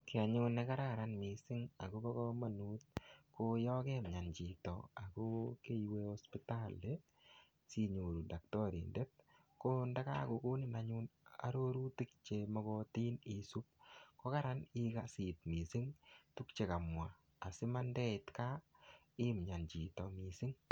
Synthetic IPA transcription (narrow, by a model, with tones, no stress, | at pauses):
kia˨ɲu˦nɛka˦ɾaɾanmi˨sɪ˦ŋa̰˨ko˦bɔ˦kɔ˦ma˨nu˦t̚ko˦jɔ˦ke˦mɲa˨nt͡ʃi˨tɔ̰a˨ko˦ke˦iweɔ˦spi˦ta˦le | si˦ɲo˨ɾu˨da˨k̚tɔ˦ɾḭnde˦t̚ | ko˦nda˦ka˦ko˧ku˦nɪ˦˨naɲu˦na̰˨ɾo˦ɾu˦ti˦k̚t͡ʃemɔ˨kɔ˦ti˦nisu˦p̚ko˦ka˦ɾa˦ni˦kasi˨t̚mi˨si˦ŋtu˦kt͡ʃe˨ka˨mwaː˨ | sɪ˦ma˦ndɛ˦ɪtka | ɪ˦mɲa˨nt͡ʃi˨tɔ˨mi˨si˦ŋ